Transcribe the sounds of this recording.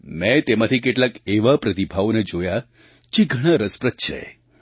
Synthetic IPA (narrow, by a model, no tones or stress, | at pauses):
mɛ̃t̪emãt̪ʰikeʈlakeʋapɾət̪ibʱaʋoned͡ʒoja | t͡ʃiɡʱəɽ̃ãɾəspɾət̪t͡ʃʰḛ